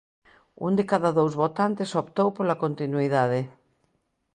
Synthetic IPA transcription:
ṵnd̪ekaðaðowzβot̪ant̪esopt̪owpolakont̪inuiðaðe

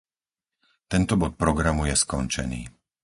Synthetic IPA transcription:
t̪ɛnt̪ɔbɔt̪̚pɾɔɡɾamujɛskɔnt͡ʃɛ̰nḭː

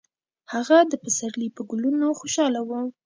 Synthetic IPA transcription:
haɣad̪əpəsaɾlipəɡʊlunoxoʃɑlawə

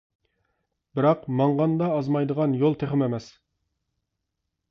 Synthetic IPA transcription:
bɪɾɑqmɑɴʁɑnd̪ɑːzmɑjd̪əʁɑnjolˠt̪ʰeχɪmemɛs

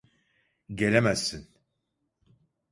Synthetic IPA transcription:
ɟɛlʲɛmæz̥ːin

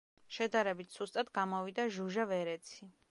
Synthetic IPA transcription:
ʃɛd̪aɾɛbit̪ʰz̥ust̪ʼad̪ɡamɔvid̪aʒuʒavɛɾɛt̪sʰi

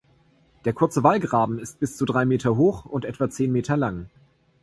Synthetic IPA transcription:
d̥eːɐkʰʊɐt͡səvalɡʁaːbm̩ɪst̚b̥ɪst͡sudʁaɪmeːtʰɐɦoːxʊntʔɛtv̥at͡seːnmeːtɐlaŋ

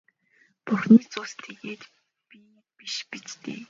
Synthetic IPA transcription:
puxniːt͡sʊst̪ʰːeɣeːt̪ | pi | piʃpit͡ɕt̪ḛː

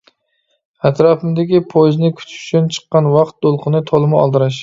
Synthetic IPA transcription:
æt̪ɾɑpɪmd̪ɪɡʲɪpʰoznɪkʰʲʊ̥t͡ʃ̪ʊ̥t͡ʃʰʊnt͡ʃʰɨ̥qːɑnwɑqt̪̚d̪olˠqʰɨnɪt̪ʰolˠɪmɪɒ̰lˠd̪ɨɾaʃ

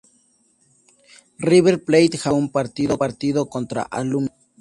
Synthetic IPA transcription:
riβeɾplejt̪xaumpaɾt̪iðopaɾt̪iðokont̪ɾa̰ʔalum

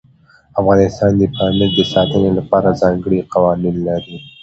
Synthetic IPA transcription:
afɣɑnɪst̪ɑnd̪əpɑmɪɾd̪əsɑt̪ənelapɑɾazɑŋɡəɽiqawɑninlaɾi

